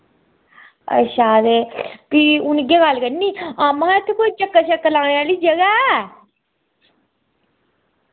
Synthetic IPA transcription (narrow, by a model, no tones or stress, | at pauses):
ə̰ʃaːd̪eːpiʊnɡeːɡalkənnːiːaːmãːɪt̪ʰːekot͡ʃəkːəʃəkːəlãːɽeaːliːd͡ʒəɡa